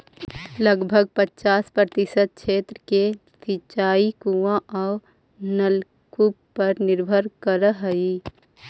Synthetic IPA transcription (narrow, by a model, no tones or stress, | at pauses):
ləɡbʱəɡ̚pət͡ʃaːspɾət̪ɪsət̪̚kt͡ʃʰeːt̪ɾəke | sit͡ʃaːikuãʔɔː | nəl | kuppːəɾnɪɾbʱəɾkəɾəɦəi